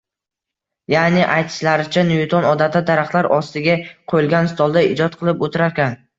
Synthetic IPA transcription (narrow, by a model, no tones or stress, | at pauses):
janɪʔajt̪ʰɪ̥ʃlaɾɪt͡ʃʰanʊjʊt̪ʰɒnɒd̪at̪ad̪aɾaχt̪lˠaɾɒst̪ɪɡʲaqʰojɪlˠɡʲanst̪ɒlˠd̪aɪd͡ʒɒt̪̚qʰɨlˠɪpot̪ʰɪɾaɾkʲan